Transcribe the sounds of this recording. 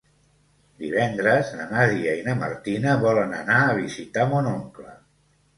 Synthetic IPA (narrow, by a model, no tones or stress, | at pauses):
d̪iβɛnd̪ɾəznənaðiainəmə̰ɾt̪inəβɔlənə̰naːβ̞izit̪amonoŋklə̰